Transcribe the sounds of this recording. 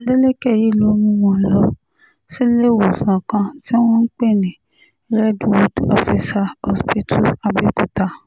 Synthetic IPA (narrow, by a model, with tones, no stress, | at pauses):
le˦le˦kɛ˦˨ji˨˦lo˨˦mũ˧˦wɔ̃˨lɔ˦ | si˦le˦wo˨sã˨kã˧ti˦w̃ɔ̃˦n̩˦k͡pe˦˨nĩ˨ | ɾɛ˦dwɔ˨dɔ̰˦fi˧sa˧ɔ˧˦spi˦tʰu˦a˧bi˦ku˨ta˧